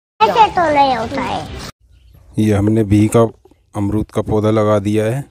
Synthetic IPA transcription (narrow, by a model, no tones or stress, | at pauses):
eset̪oləeɦoːt̪aɦɛ̰ː | jeɦɐmnebʱika | ɐmɾuːt̪kapɔːd̪ʱalɐɡad̪ijaɦɛː